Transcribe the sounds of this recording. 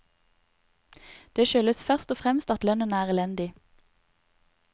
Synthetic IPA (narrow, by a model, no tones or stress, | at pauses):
d̪̥eːʃøːləsfœʁst̪ɔːfʁɛmst̪ɑt̪lœnənəæːʁɛlɛnd̪ɪ